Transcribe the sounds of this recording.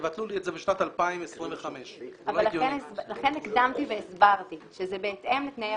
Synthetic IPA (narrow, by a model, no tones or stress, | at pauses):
vat̪lulietzebeʃnat̪alpaimesʁimveχameʃavloallːɡenelaχenikd̪amt̪iveːsbaʁtiʃezebeːt̪ʔemlitneja